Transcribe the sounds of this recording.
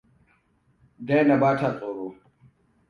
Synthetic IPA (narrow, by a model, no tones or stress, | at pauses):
d̪eːnɐbaːʈʰaːt͡sʼoːɾoː